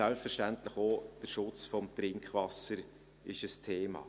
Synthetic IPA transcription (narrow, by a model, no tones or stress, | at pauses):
ɛlpfəɾʃtæntləχod̥əʃʊt͡sfɔmt̪ɾɪŋkχvɑsəɾ | ɪʃəstʰeːmɑ̰ː